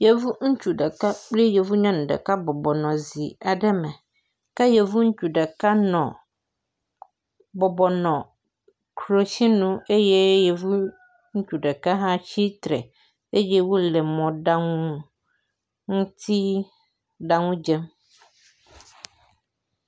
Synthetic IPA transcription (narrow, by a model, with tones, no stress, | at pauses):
je˨vu˦ŋ̩˦t͡ʃu˨ɖɛ˨ka˦k͡ple˦je˨vu˦ɲã˦nũ˨ɖɛ̰˨ka˦bɔ˨bɔ˨nɔ̃˨zi˨a˨ɖɛ˦mɛ̃˨ | ka˦je˨vu˦ŋ̩˦t͡ʃu˨ɖɛ˨ka˦nɔ̃˨ | bɔ˨bɔ˨nɔ̃˨ | kʰɾo˨ʃi˦nũ˦e˦je˦je˨vu˦ | ŋ̩˦t͡ʃu˨ɖɛ˨ka˦ɦã˦t͡ɕi˦t̪ɾɛ̰˨ | e˦je˦wo˦lɛ˨mɔ̃˨ɖa˦ŋũ˦ | ŋũ˦t̪ʰi˦ | ɖa˨ŋũ˦d͡ʒɛ˦m